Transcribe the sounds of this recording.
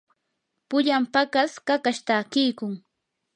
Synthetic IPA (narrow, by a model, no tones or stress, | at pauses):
pʊʎampakaskakaʃt̪akɪjkʊŋ